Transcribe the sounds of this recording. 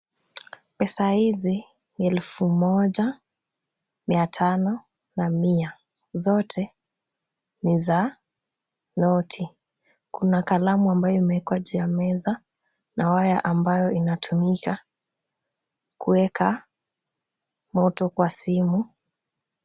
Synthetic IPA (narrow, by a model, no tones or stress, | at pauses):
pɛsahizi | niɛlufumɔʄa | miatʰanɔ | namia | zɔtʰɛ | niza | nɔtʰi | kunakalamuambajɔimɛkwaʄujamɛza | nawajaʔambajɔinatʰumika | kuɛka | mɔtɔkwasimu